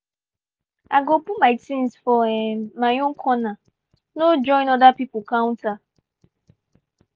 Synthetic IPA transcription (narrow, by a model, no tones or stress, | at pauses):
aɡopumaɪtĩnsfɔɛmaɲʊŋ̩kʰɔna | nod͡ʒɔ̃ɪ̃nɔdapipʊkãw̃nta